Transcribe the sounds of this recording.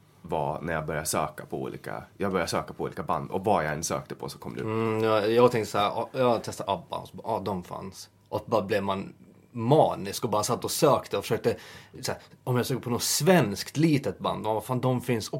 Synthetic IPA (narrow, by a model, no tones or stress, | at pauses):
vanæɾjaɡ̚bœɾjaʂøːkapʰɔṵːlḭːka̰jɑɡbœɾjasøːkapʰɔuːliːkaba̰nd̪ɔ̰vajaɛnsø̰ːk̚t̪əpʰɔsɔ̥kʰɔmːd̪̰jɑːjɑːɡt̪ʰɛŋt̪ə̥sahæɾɑjɑːɡt̪ʰɛst̪aʔabːa̰ɔ̰sɔbɑ̰ːʔɑd̪ɔmfa̰ns | ʔɔk̚bɑːɾablɛvman | mɑːnɪskɔbɑːɾasat̪ːɔsøːkt̪əɔfœ̥ʂøːk̚t̪əsæːɾɔmjafsøːk̪əpʰɔnɔt̪svɛnskt̪liːt̪ət̪̚ba̰nd̪ɔmabafaːnd̪ɔmfɪnsɔ